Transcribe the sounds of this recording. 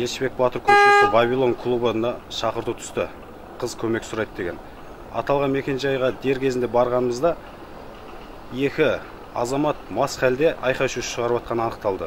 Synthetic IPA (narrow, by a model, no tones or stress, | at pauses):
je̞lʃbe̞k̚bɑt̪əɾkʲʰɵʃesɪbɑvʲilˠo̞ŋkʰlˠubənɑʃɑqəɾt̪ut̪ʰʏ̥st̪ɪ | qʰəzkʲʰɵme̞ksʊɾɑjt̪d̪e̞ɡʲe̞n | ɑ̰t̪ɑlˠʁɑnme̞kʲe̞nʒɑjʁɑd̪e̞ɾkʲʰe̞zɪnd̪e̞bɑɾʁɑnəməzd̪ɑ | je̞kʲɪ | ɑ̰zɑmɑt̪̚mɑsχʲæld̪e̞ʔɑjqɑwʃuʃəʁɑɾəpɑt̪̚qɑnəɑnəq̚t̪ɑlˠd̪ə